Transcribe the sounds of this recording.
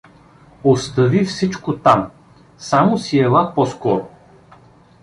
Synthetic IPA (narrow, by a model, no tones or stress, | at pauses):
ost̪ɐvifsit͡ʃkot̪am | samosiɛlˠapɔskɔɾo